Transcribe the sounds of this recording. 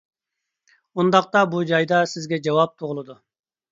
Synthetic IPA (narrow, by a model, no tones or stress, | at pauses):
und̪ɑqt̪ɑbud͡ʒɑjd̪ɑsɪzɡʲɛd͡ʒɑwɑp̚t̪ʰuʁʊlˠɨd̪u